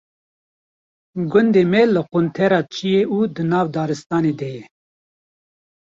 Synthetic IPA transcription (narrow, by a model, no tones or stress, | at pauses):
ɡʊnd̪eːmɛlɨqʊnt̪ʰɛɾɑːt͡ʃʰijeʔuːd̪ɨnɑːvd̪ɑːɾɨst̪ɑːneːd̪ɛjɛ